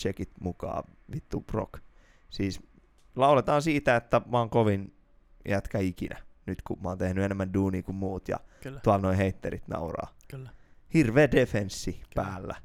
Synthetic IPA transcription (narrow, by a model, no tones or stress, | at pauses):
t͡ʃekit̪mukɑ̰ː | ʋit̪ːub̥ro̰k | siːs | lɑulet̪ɑːnsiːt̪æet̪ːæmɑoŋkoʋin | jæt̪kæikinʔænyt̪kumɑoːnt̪ehnyenemːænduːniːkummuːt̪jɑ̰t̪ɑlnoiheit̪ːḛɾit̪nɑ̰urɑ̰ː | hirʋeːdefensːipæːlːæ̰